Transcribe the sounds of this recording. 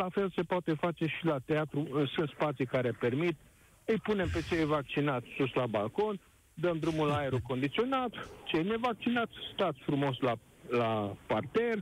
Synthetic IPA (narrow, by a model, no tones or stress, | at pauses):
lafe̞lse̞poat̪e̞fat͡ʃe̞ʃilat̪eat̪ɾuɨsɨnt̪spat̪sijkaɾepe̞rmit̪ | ɨjpune̞mpe̞t͡ʃejvak̚t͡ʃinat̪sʲsuslabalko̞n | d̪əmd̪ɾumulaeɾuko̞nd̪it̪sio̞nat̪t͡ʃejne̞vak̚t͡ʃinat̪sʲst̪at̪sʲfɾumo̞sla | lapart̪er